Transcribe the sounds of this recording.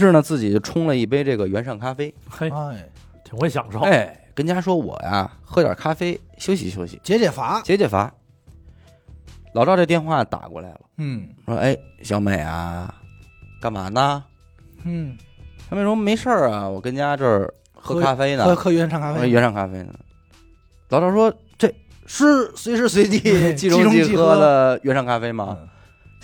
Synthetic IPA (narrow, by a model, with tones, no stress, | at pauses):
ʂɻ̩˥˩nə˩t͡sɹ̩˥˩t͡ɕi˨˩t͡ɕjo˥˩ʊʈ͡ʂʰʊ˥ŋlə˨i˥˩pe˥ɪʈ͡ʂɤ˥˩ɡə˩ɥɛ˧˥nʂɑ˥˩ŋkʰa˥fe˥ɪ˥ | t̪ʰi˨˩ŋxwe˥˩ɕ̬jɑ̰˨˩ŋʂo˥˩e˥˩ɪkə˥nt͡ɕja˥ʂwɔ˥wɔ̰˨˩ja̰˧xɤ˧˥t̪jə̰˞˨˩kʰa˥fe˥ɪɕjo˥ʊɕ̬ḭ˧˥ɕjo˥ʊɕḭ˨˩t͡ɕjɛ˧˥t͡ɕjɛ˨˩fa˧˥t͡ɕjɛ˧˥t͡ɕɛ˨˩fa̰˧˥ | lɑ˨˩ɾɑ˥˧ʈ͡ʂɤ˥˧t̪jnxwa˥˩t̪a̰˨˩kwɔ̰˥˩la˧˥ɪlə˨˩ʂwɔ̰˥ʔe˥˩ɪɕjɑ˧˥me˨˩ɪɐ̰˦ | ka˥˩ma̰˨˩nə˧˥˩ | m˥˩ʂwɔ˥me˧˥ɪʂə˞˥˩wɔ˨˩kə˥nt͡ɕja˥ʈ͡ʂə˥˩ | xɤ˥kʰa˥fe˥ɪnə˧˥xɤ˥ɥɛ˧˥nʰɑ˥˧ŋkʰa˥fe˥ɥɛ˧˥nʂʰɑ˥ŋkʰa˥fe˥ɪnə̰˩ | lɑ˨˩ʊɾɑ˥˩ʂwɔ˥ | t͡swe˥˩ɪ | ʂɻ̩˥˧swe˧˥ɪʂɻ̩˥˧swe˧˥ɪt̪i˧˩t͡ɕi˧ʈ͡ʂʊ˥ŋʊ˥t͡ɕi˥˩xxɤ˥lə˨ɥɛ˧˥nʂɑ˥ŋkʰa˥fe˥ɪmɐ˨